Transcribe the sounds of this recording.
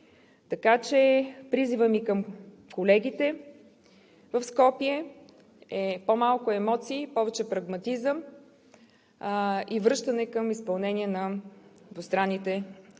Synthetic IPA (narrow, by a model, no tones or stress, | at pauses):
t̪ɐkat͡ʃɛpɾizivəmikəm | kolɛɡit̪ɛ | vəfskɔpiɛ | ɛpomalˠkʊɛmɔt̪siːpɔvɛt͡ʃɛpɾɐɡmɐt̪izəm | ivɾɤʃt̪ənɛkəmispɐlˠnɛniɛnɐd̪vost̪ɾanːit̪ɛ